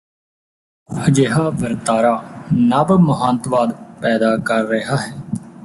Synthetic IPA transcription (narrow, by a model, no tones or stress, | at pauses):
əd͡ʒeːɦaːʋəɾt̪aːɾaːnəbmʊɦãːnt̪ʋaːd̪pɛːd̪aːkəɾːəɦaːɦɛː